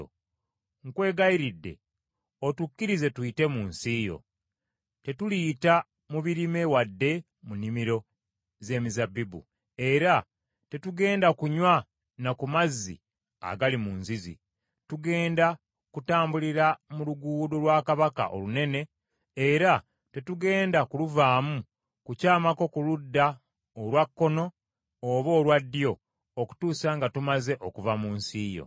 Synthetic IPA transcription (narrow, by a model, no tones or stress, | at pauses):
ŋkwe̞ːɡaiɾidːe̞̰ | otukːiɾize̞tuite̞muːnsiːjo̞̰ | te̞tuliːta | muβiɾime̞wadːe̞ | munimiɾo̞ | ze̞ːmizabːibṵ | e̞ɾa | te̞tuɡe̞ːndakuɲwa | nakumazːḭ | a̰ɡalimunzizḭ | tuɡe̞ːnda | kutaːmbuliɾamuluɡuːdolwakaβaka̰ʔo̞̰lune̞ne̞ | eɾa | te̞tuɡe̞ːndakuluvaːmu | kucaːmako̞kuludːa | olwakːo̞no̞ː | βo̞ːlwadːjo̞ | oku̥tuːsaŋɡatumaze̞ʔo̞kuvamuːnsiːjo̰